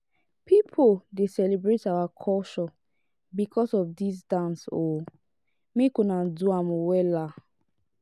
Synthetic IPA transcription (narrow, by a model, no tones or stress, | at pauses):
pipʰodesɛlibɹetawakʰɔʃɔ | bikʰɔsɔfdisdãnso | mekunãnduamwɛla